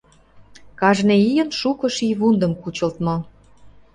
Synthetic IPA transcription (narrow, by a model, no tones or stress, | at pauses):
kɑʒneijə̆nʃukɤ̆ʃiβund̪ə̆mkut͡ɕə̆lt̪mɤ̆